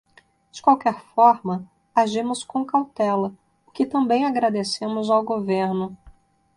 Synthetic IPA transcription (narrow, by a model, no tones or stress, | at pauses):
d͡ʒɪkwawkɛɾfɔɾmɐ | aʒĩmʊskõw̃kawt̪ɛlɐ | ʊkɪt̪ɐ̃mbẽj̃aɡɾad̪esẽmʊzawɡoveɾnʊ